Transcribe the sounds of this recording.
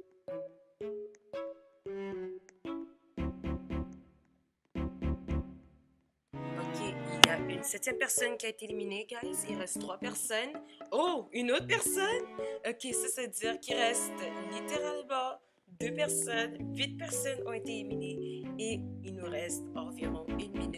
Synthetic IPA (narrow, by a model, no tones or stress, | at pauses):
ɔkʲʰeiljaynsɛt̪jɛmpɛʁsɔnkʲiaet̪eelimineɡajzilʁɛst̪t̪ːχwapɛʁsɔnoynot̪χpɛʁsɔnɔkʲesasad͡z̪iːʁkʲilʁɛst̪lit̪eʁalmɑ̃ | d̪øpɛʁsɔnvit̪̚pɛʁsɔnɔ̃et̪eelimineeilnuʁɛst̪ɑ̃viʁɔ̃ynmin